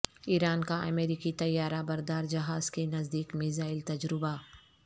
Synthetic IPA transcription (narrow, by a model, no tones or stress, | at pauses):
iːɾaːnkaʔɐ̰meːɾiːkit̪ɐjːaːɾabɐɾd̪aːɾd͡ʒɐɦaːz̥kenɐzd̪iːkmɪzaːɪlt̪ɐd͡ʒɾɪba